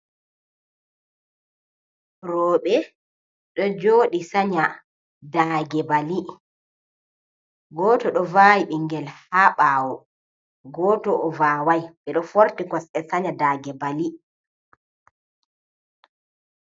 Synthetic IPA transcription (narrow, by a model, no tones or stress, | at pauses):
rɔːɓɛ | ɗɔd͡ʒoːɗisaɲa | daɡɛbali | ɡɔːtɔɗɔvajiɓiŋɡɛlhaɓaːwɔ | ɡɔːtɔʔːvaːwajɓɛɗɔfoɾtikɔsɛsaɲadaːɡɛbali